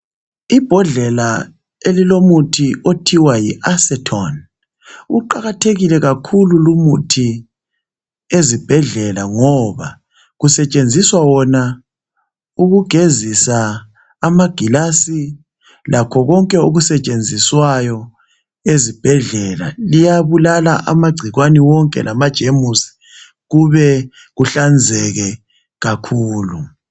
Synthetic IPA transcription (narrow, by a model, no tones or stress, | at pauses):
ib̥ʱɔɮɛla | elilomutʰiotʰiwajiʔasɛtʰɔn | uǃaɣatʰeɣilɛɣakʰululumutʰi | ezib̥ʱɛɮɛlaŋɔβa̰ | ɣusɛt͡ʃʼend͡zʱiswawɔna | uɣuɡ̥ʱezisaː | maɡ̥ʱilasi | lʔakʰɔɣɔŋkʼɛuɣusɛt͡ʃʼend͡zʱiswajɔ | ezib̥ʱɛɮɛla̰lijaβulalaʔa̰maɡ͡ǀʱiɣwaniwɔŋkʼɛ̰lamad̥ʒ̥ʱemusi̥ | ɣuβɛ | ɣuɬand͡zʱɛɣɛ | ɣakʰuːlu